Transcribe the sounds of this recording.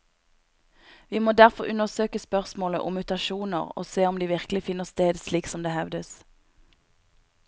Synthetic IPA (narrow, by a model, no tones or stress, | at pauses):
ʋiːmoːd̪æʁfɔʁʔʉnəʁsøːkəspœʁsmoːlə̰ʔʊmʉːt̪ɑʃuːnə̰ʁo̰ːseːɔmd̪iːʋɪʁklɪfɪnːəst̪eːd̪sliːksɔmd̪eːhɛʋd̪əs